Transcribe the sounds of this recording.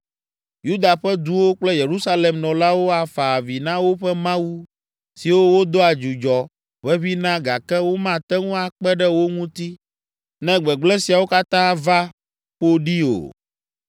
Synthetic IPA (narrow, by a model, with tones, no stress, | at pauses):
ju˦d̪a˨ɸɛ˦d̪u˦wo˦k͡plɛ˦je˨ɾu˦sa˦le˨mnɔ̃˨la˦wo˦a˨fa˨vi˨nã˦wo˦ɸɛ˦mã˦wu˦ | si˨wo˦wo˦d̪o˦a˨d͡ʒu˨d͡ʒɔ˨ | βɛ˦βi˦nã˦ɡa˨kɛ˦wo˦mã˦t̪ɛ˦ŋũ˦a˨k͡pɛ˦ɖɛ˦wo˦ŋũ˦t̪i˦ | nɛ̃˦ɡ͡bɛ˨ɡ͡blɛ̃˦si˨a˨wo˦ka˦t̪ã˦va˦ | ɸo˦ɖi˦o̰˨